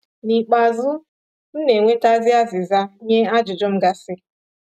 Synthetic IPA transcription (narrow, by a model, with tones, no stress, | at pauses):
ni˨k͡pa˨zʊ˦ | m̩˦ne˨ŋʷe˦ta˦zɪ˦a˦zɪ˨za˦ɲe˦a˦d͡ʒʊ˨d͡ʒɔ˦m̩˦ɡa˨sɪ˦